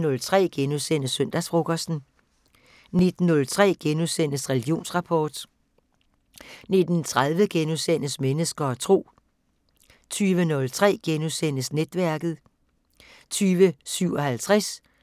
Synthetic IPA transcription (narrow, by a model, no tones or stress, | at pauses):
nɔ̽lt͡sʰʁɛ̰ːɡ̥enusen̰əsːœn̰d̥æsfʁoɡ̥ɒsd̥n̩ | ne̝d̥n̩ːɔ̽lt͡sʰʁɛ̰ːɡ̥enuðˠsen̰əsʁɛliɡ̥io̝̰ːnsʁɑ̈pʰɒːd̥ | ne̝d̥n̩t͡sʰʁað̞ˠʋəɡ̥enusen̰əsmenəsɡ̥ɐɒ̽t͡sʰʁo̝̰ː | t͡sʰyːʋənɔ̽lt͡sʰʁɛ̰ːɡ̥enuðˠsen̰əsned̥ʋæɐɡ̥ð̩ˠ | t͡sʰyːʋəsyʊ̰ɒ̽hælt͡sʰʁɛs